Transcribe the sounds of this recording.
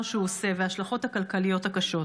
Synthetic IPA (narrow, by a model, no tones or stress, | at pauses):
ʃeuose̞veaʃlaχo̞thakalkalijo̞thakaʃo̞